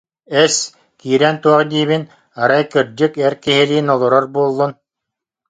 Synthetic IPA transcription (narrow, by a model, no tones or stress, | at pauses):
ɛs | kiːɾɛːnt̪uɔχd̪iːβin | aɾajkiɾd͡ʑykɛɾkiɦiliːnɔlˠɔɾɔɾbuɔlˠːun